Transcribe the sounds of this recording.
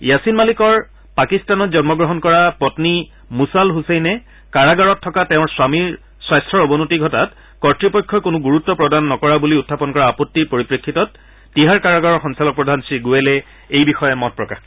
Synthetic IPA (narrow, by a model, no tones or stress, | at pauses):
jasinmalikɔɹ | pakistanɔtzɔnmɔɡɹɔɦɔnkɔɹapɔtni | musalɦusejnɛ | kaɹaɡaɹɔtʰːɔkatɛʊ̃ɹswami | swajstʰɔɹobɔnutiɡʱɔtat | kɔɹtɹipɔjkʰːɔkʊnʊɡuɹutːɔpɹɔdanːɔkɔɹabuliutʰːapɔnkɔɹaːpɔtːiɹpoɹipɹekʰːitɔtː | iɦaɹkaɹaɡaɹɔɹxɔŋsalɔk̚pɹɔdʱansiɡuɛlɛ | ejbixɔjɛmɔt̚pɹɔka̰x